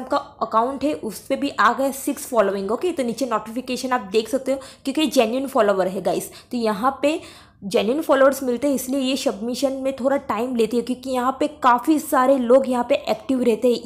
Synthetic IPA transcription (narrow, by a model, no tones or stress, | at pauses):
p̚kaɐkaːʊ̃ɳʈɦɛʔʊspebʱiʔaːɡɐjasɪksfɔːloːʋɪ̃ŋɡɦoːket̪oniːt͡ʃenɔːʈɪfɪkeːʃənaːp̚d̪eːkʰsɐk̚t̪eɦoːkjõːkied͡ʒɛ̃ːnjənfɔːloːʋəɾɦɛɡaːɪz | t̪ojɐɦãpe | d͡ʒɛːnjənfɔːloːʋəɾsmɪlt̪eɦɛ̃ɪsliejesɐbmɪʃənmẽt̪ʰoːɽaʈaːɪmleːt̪eɦɛkjõːkijɐɦãpekaːfisaːɾeloːɡjɐɦãpeʔɛːkʈɪʋɾɛɦt̪eɦɛ̃